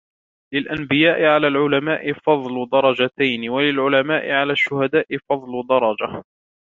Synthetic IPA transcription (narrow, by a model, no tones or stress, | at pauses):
lɪlʔanbɪjaːʔɪʕalaːlʕʊlamaːʔɪfɑðˤlʊd̪ɑɾˤɑd͡ʒat̪ajnɪwalɪlʕʊlamaːʔɪʕalaːʃːʊhad̪aːʔɪfɑðˤlʊd̪ɑɾˤɑd͡ʒa